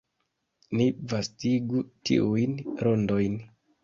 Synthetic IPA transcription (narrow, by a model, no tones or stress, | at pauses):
nivastiɡutʰḭʔujnɾondojn